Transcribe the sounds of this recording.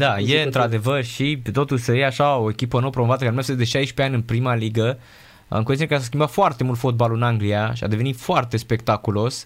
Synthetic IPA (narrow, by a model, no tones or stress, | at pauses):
d̪ajeɨnt̪ɾad̪e̞vərʃipet̪o̞t̪uʃʲsəjeaʃao̞ekʲipənowəpɾo̞movat̪əkaɾemefsed̪eʃajʃpeanʲɨnpɾimaliɡə | a̰ŋkonekases̬kʲimbat̪foart̪e̞mult̪fo̞t̪̚balɨnaŋɡlijaʃia̰d̪e̞ve̞nit̪foart̪e̞spe̞kt̪akulo̞s